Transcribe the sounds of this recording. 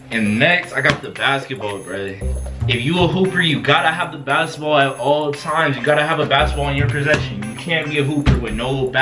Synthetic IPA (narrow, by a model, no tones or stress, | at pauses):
ɨ̃nnɛkstaɪɡɑt̪̚ðəbæskɨt̚b̥ɔlˠbɹɪðiɪfjɨəɦupə˞jɨɡɑɾəəvðəbæskət̚b̥ɔlˠəɾɔlˠətʰãɪ̃mzjɨɡɑɾɨəvəbæskət̚b̥ɔlˠɨ̃njə˞pʰɹ̥ɨzɛʃɨ̃njɨkʰæ̃nbiɨɦupə˞wɨðnoʊbl̩ˠb